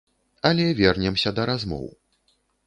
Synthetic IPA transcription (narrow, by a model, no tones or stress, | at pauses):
ɐlʲɛvʲɛrnʲɛmsʲɐd̪ɐɾazmɔ̰w